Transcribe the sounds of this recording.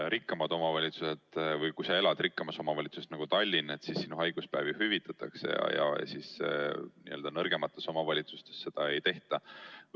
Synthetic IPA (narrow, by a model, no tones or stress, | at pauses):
ɾikːɑmɑd̪̥o̞mɑvɑlʲit̪suse̞t̪vɤjkujsɑe̞lɑd̪̥ɾikːɑmɑso̞mɑvɑlʲit̪sust̪nɑɡ̥ut̪ɑlʲːine̞t̪sisːinuɦɑjɡ̥uspæːvihyvit̪ːˑɑt̪ːˑɑ̰ksḛjɑ̰jɑ̰sisniø̞ld̪ɑnɤrɡ̥e̞mɑt̪ːˑe̞so̞mɑvɑlʲit̪su̥st̪e̞sːe̞d̪̥ɑe̞jt̪e̞ht̪ɑ